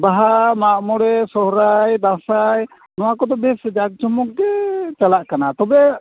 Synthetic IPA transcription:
baɦamaʔmɔɽɛsɔɦɾajd̪ãsaj | nɔwakɔd̪ɔbɛsd͡ʒaɡ̚d͡ʒɔmɔk̚ɡɛt͡ʃalaʔkanat̪ɔbɛ

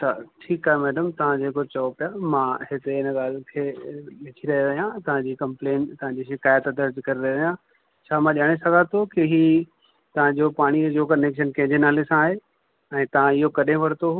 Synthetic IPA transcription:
t̪ɐʈʰiːkaːɦemɛːɖəmt̪ɐʋ̤ãd͡ʑeːkot͡ɕɐopijamãːɦɪt̪eɪnə̆ɠaːl̤kʰeːʋɪtʰiɾɐɦiʋɐijãt̪ɐʋ̤ãd͡ʑiːkɐ̃mpleːnt̪ɐʋãɲd͡ʑiʃɪkaːjət̪d̪ɐɾd͡ʑkɐɾiɾɐɦiʋjã | t͡ɕʰaːmãʄaːɽ̃esɐɡʱat̪ʰokiɦiː | t̪ɐʋ̤ãɲd͡ʑoːpaːɽ̃id͡ʑoːkɐneːkʃənkɐ̃ɦɪ̃ɲd͡ʑenaːlesãaːɦe | ɛ̃ːt̪ɐʋ̤ãɪɦokɐɗʱẽʋɐɽt̪oɦu

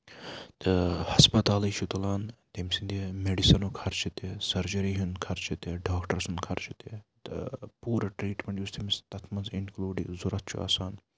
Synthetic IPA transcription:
t̪ɨhɐspɐt̪aːliʃʰut̪ulaːnt̪emsind̪emeɖisɐnuːkʰɐɾt͡ʃʰit̪esɐɾd͡ʒɐɾiɦunkʰɐɾt͡ʃʰit̪eɖaːkʈɐɾsunkʰɐɾt͡ʃʰit̪et̪ɨ̰puːɾɐʈɾiːʈmeɳjust̪ʰemist̪ɐt̪ʰmɐnzinkluːɖizuɾɐt̪̚ʰt͡ʃʰṵɐ̰ːsaːn

